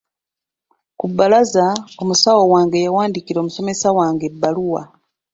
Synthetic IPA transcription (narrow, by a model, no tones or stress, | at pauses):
kubːalazao̞musawowaːŋɡe̞jawaːndikiɾo̞ːmuso̞me̞sawaːŋɡe̞bːaluwa̰